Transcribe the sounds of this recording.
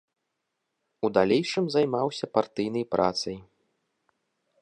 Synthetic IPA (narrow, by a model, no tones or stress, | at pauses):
ud̪alʲejʂɨmzajmawsʲɐpart̪ɨjn̪ɐjpɾʔa̰t̪sɐj